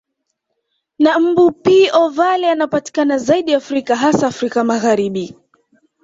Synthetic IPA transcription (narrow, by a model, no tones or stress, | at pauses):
nam̩bupiːʔɔvalɛanapati̥kanazaiɗiafɾikaɦasaːfɾikamaɣaɾiɓi